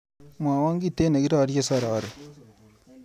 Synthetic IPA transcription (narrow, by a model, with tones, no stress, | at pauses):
m˨a˨wa˦ŋɡi˦te˦na˨ɡi˦ɾa˦ɾt͡ʃe˦˨sa˦˨ɾa˨a˦˨ɾe˨